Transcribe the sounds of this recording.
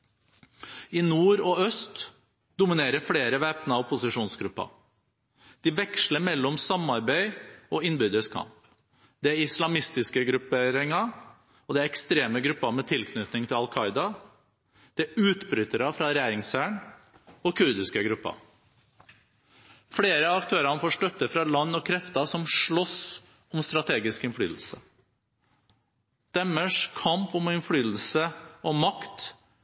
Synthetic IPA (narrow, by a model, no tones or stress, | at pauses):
ɪnuːɾɔœst̪ | d̪ʊmɪneːɾəfleːɾəʋeːpnɑɔpʰʊsɪʂuːnsɡɾʉpːɑ̰ | d̪̥ɪʋɛkʂləɾmɛlːɔmsɑmɑɾbæɪɔɪnbʏd̪əskʰɑ̰mp | d̪ɛæɾɪslɑmɪst̪ɪskəɡɾʉpeːɾɪŋɑ | ɔd̪ɛæɾɛkst̪ɾeːməɡɾʉpːɑmɛt̪ʰɪlkʰnʏt̪nɪŋt̪ʰɪlɑlkʰɑɪd̪ɑ | d̪̥ɛʉːt̪bɾʏt̪əɾɑfɾɑɾɛjæːɾɪŋsæːɳ | ɔkʰʉɾd̪ɪskəɡɾʉpːɑ̰ | fɽeːɾəɑkt̪ʰøːɾɑnəfoːʂʈœt̪ːəfɾɑlɑnːɔkʰɾɛft̪ɑsɔmʂɭɔs | ɔmst̪ɾɑt̪ʰeːɡɪskɪnfly̰ːd̪l̩sə | d̪̥ɛmːəʂkʰɑmpɔmɪnfɽyːd̪l̩səɔmɑkt̪